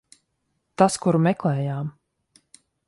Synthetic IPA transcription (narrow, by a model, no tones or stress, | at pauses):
t̪askuɾmɛklɛːjaːm